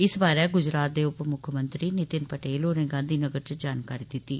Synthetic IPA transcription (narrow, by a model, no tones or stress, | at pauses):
ɪsbaːɾɛːɡʊd͡ʒɾaːt̪̚d̪eːʊpmʊkʰəmə̃nt̪ɾiːnɪt̪ɪnpəʈeːloːnẽːɡãːnd̪iːnəɡəɾt͡ʃd͡ʒaːnkaːɾiːd̪ɪt̪ːiː